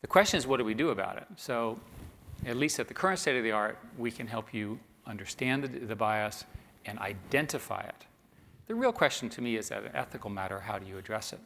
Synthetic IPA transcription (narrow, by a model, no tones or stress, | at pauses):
ðɨkʰw̥ɛst͡ʃɨ̃nɨzwʌt̚d̥ɨwidɨəba̰ʊɾɪ̰t̚soʊ | ɨtˡlistɨt̪̚ðɨkʰɜ˞ɨ̃ntsteɪɾʌvðiɑɹt̚wikʰɨ̃nɦɛlˠpʰjɨ | ʌ̃ndə˞stæ̃nðɨðɨbaɪʌs | ɨ̃na̰ɪdɛ̃ntɨfa̰ɪɪ̰t̪̚ | ðɨɹilˠkʰw̥ɛst͡ʃn̩tʰɨmiɨzɨ̰ɾɨ̰̃nɛ̰θɨkl̩ˠmæɾə̰˞ɦaʊɾɨjɨɨdɹɛsɨ̰t̚